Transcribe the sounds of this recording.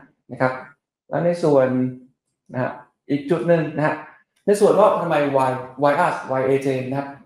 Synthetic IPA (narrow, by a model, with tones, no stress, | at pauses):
na˦˥˩kʰɾa˦˥p̚ | lɛ̰ː˦˥na˧jsu˨˩ən | na˦˥ha̰˦˥ | ʔiː˨˩k̚t͡ɕʰu˦˩t̪̚nɯ˧˩ŋna˦˥ɦa˦˥ | na˧jsu˨˩ənmɔː˦˥˩k̚t̪ʰa˧ma˧jwa˧jwa˧jʔaː˦˥˩swa˧jʔeː˧t͡ɕeː˧na˥kʰa˦˥p̚